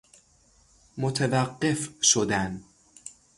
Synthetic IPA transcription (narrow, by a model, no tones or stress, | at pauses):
mot̪ʰevæɢːe̞fʃod̪æn